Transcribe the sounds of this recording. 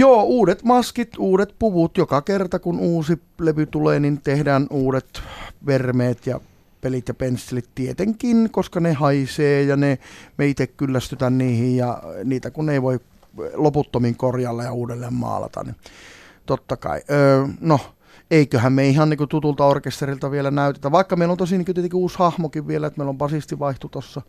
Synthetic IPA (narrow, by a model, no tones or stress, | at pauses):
joːuːdet̪mɑskit̪uːɾet̪̚puʋut̪jokɑkert̪ɑkunuːsi | leʋyt̪uleːnint̪ehdæːnuːdet̪ʋermeːt̪jɑ̰ | pelit̪jɑpensːelit̪t̪iet̪eŋkinkoskɑnehɑiseːjɑnemeit̪ekkylːæst̪yt̪ænniːhijjɑ̰niːt̪ækuneiʋoi | loput̪ːomiŋkorjɑlːejɑuːdelːeːmmɑ̰ːlɑ̰t̪ɑ̰nni | t̪ot̪ːɑkɑ̰ḭʔøːno | eikøhæmmeihɑnnikøt̪ut̪ult̪ɑorkest̪erilt̪ɑʋielænæyt̪et̪æʋʋɑˑikːɑmeilont̪osiniŋkyt̪iet̪eŋkiuːshɑhmokiʋʋielæet̪meˑilombɑsist̪iʋɑiht̪ut̪osːɑ